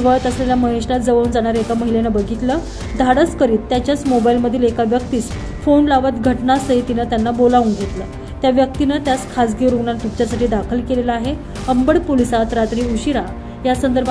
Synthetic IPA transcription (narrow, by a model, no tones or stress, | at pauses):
ʋəɭt̪əsleljaməɦeʂɾat̪̚d͡zəʋəʋnd͡zaɽ̃aɾekaməɦilenəbəɡʱit̪lə | d̪ʱaɽət͡skəɾiːt̪ːjat͡ɕjat͡smobailməd̪ʱːiːlekaʋjək̚t̪iːt͡s | fonlaʋət̪ɡʱəʈnasəɦit̪inət̪janːabolaʋuŋɡʱet̪lə | t̪jaʋjək̚t̪inət̪jaskʰasɡiɾuɡɳant̪umt͡ɕjasaʈiːd̪akʰəlkeleləaɦe | əmbəɽpolisat̪ɾat̪ɾiːuɕiɾa | jasənd̪əɾbʱ